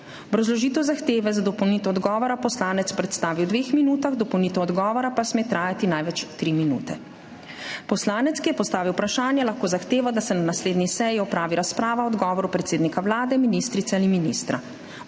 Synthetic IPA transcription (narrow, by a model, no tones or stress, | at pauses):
bɾɔzlɔʒiːt̪ɛwzaxt̪eːʋɛzad̪ɔpɔwnit̪ɔɔd̪ɡɔːʋɔɾapɔslaːnɛt̪spɾɛt̪st̪aːʋiwd̪ʋeːxminuːt̪aɣd̪ɔpɔwnit̪ɛɔd̪ɡɔːʋɔɾapasmet̪ɾaːjat̪inajʋɛt͡ʃt̪ɾiminṵːt̪ɛ | pɔslaːnɛt̪skijɛpɔst̪aːʋiwpɾaʃaːnjɛlaxkoːzaxt̪eːʋɔd̪asɛnanasleːd̪nisɛjiɔpɾaːʋiɾaspɾaːʋaɔd̪ɡɔːʋɔɾupɾɛt̪seːd̪nikaʋlaːd̪ɛminist̪ɾit̪sɛaliminist̪ɾa̰